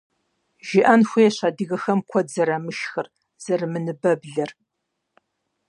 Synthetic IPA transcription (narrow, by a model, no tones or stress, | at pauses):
ʒɪʔɐnxʷeːɕadɨɣɐxɐmkʷʰɔdzɐɾamɨʃxɨr | z̥ɐrmɨnɨbɐbɮɐr